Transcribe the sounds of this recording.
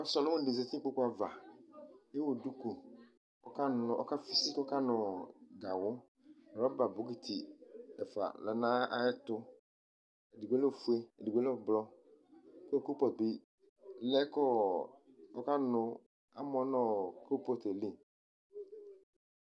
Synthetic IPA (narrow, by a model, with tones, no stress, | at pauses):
ɔ˦sɔ˨lʊ˦ʊ̃˦di˨ze˨t̪i˦k͡po˦kʊ˦a˨va˨ | je˦wo˨du˦ku˨ | ɔ˦ka˦ʊ˨ɔ̰˦ka˦fi˦si˦kɔ˦ka˦nʊ˨ɡa˨wʊ˦˨ | a˦ba˨bo˨˦ɡi˦t̪ʰi˨ɛ˨fa̰˨lɛ˨nã˦a˦ɛ˦tʊ˦ | ɛ˨di˨ɡe˦lo˦˨fu˨˦e˦e˨di˨ɡe˦lo˦˨blɔ˦ | kɔ˦o˨ko˦pɔ˨bi˦ | lɛ˦kɔ˦ | ɔ˦ka˦nʊ˦ | a˦mɔ̃˦nɔ̃˦˨ko˦pɔ˦˨t̪e˨le˨